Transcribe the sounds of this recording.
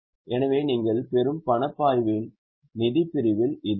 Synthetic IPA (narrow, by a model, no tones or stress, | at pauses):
ʔɛnɐʋeːniːŋɡɐɭpɛɾɯmpɐɳɐpːaːjʋɪl | nɪðɪpːɪɾɪʋɪlɪð